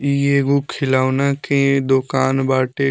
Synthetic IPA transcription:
ieɡukʰːɪlaːunakẽd̪okaːnbaːʈe

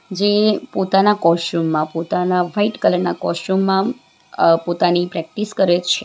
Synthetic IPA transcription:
d͡ʒepot̪anakɔsʈumːãpot̪anaʋaiʈkələɾnakɔsʈumːã | pot̪anipɾɛk̚ʈiskəɾet͡ʃʰe

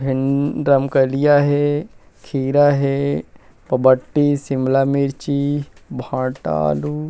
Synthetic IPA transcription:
bʱinɾəmkəlijaɦe | kʰiːɾaɦe | pəbəʈːisimlamiɾt͡ʃibʱãːʈa̰lu

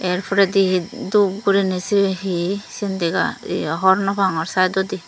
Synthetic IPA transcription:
ɛɾpʰɔɾɛd̪iɦid̪ub̚ɡuɾinisiɦisind̪ɛɡa̰ḭɦɔɾnɔpʰaŋɔɾsajd̪ɔd̪i

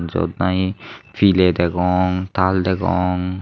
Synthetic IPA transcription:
nzɔ̰dnajpʰilɛdɛɡɔŋtʰaldɛɡɔ̰ŋ

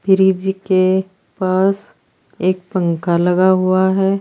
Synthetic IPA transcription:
pɪɾiːd͡ʒike | paːs | eːk̚pə̃ŋkalɐɡaɦuaɦɛː

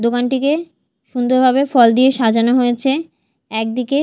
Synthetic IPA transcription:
d̪okanʈike | ʃund̪oɾbʱaβefɔld̪ieʃad͡ʑanoɦojet͡ɕʰe | ɛk̚d̪ike

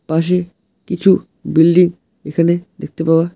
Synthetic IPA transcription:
paʃ̬e | kit͡ɕʰu | bilɖiŋ | ekʰaned̪ek̚ʰt̪epawa

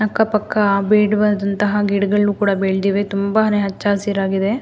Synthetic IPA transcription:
nɐkːɐpɐkːɐbeːɽuʋɐd̪ɐnt̪ɐɦɐɡiɽɡɐɭːuːkuːɽɐbeːɭd̪iːʋet̪umbɐɦɐneɦɐt͡ʃːaːsiːɾaːɡid̪e

